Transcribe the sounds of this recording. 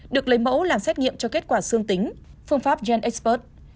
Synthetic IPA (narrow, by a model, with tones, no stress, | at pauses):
ɗɨ˨˩ək̚lə˨˦jmo̰˧˥laː˨˩msɛ˦˥t̚ŋḭ˧˨əmt͡ɕɔ˧ke˦˥t̚kwaː˧˩sɨ˧əŋt̪ï˨˦ŋ̟fɨ˧əŋfaː˦˥p̚zɛ˧nʔɛ˦˥k̚spo˦˥t̚